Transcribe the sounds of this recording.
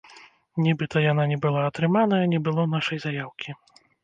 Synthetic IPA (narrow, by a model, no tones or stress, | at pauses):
nʲɛbɨt̪ʰɐjananʲɛbɨlˠaɐt̪ɾɨmanɐjɐnʲɛbɨlˠɔn̪aʂɐjzajawkʲi